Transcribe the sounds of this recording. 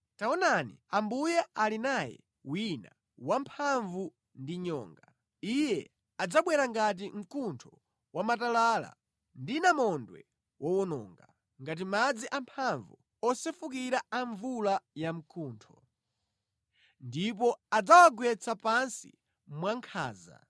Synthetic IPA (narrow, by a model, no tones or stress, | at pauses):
taɔnanḭambujaalinajɛ̰ | wina̰ | wampʰaɱvu | ndiɲɔ̰ːŋɡa | ijɛ | ad͡zaɓwɛɾaŋɡat̬im̩kʰuntʰɔ | wamatalala̰ | ndinamɔndwɛ̰ | wɔwɔnɔ̰ːŋɡa | ŋɡat̬imad͡ziʔampʰaɱvu | ɔsɛfukiɾaaɱvulajam̩kʰuːntʰɔ | ndip̬ɔad͡zawaɡwɛt͡sʰapansḭ | mwaŋkʰa̰ːza̰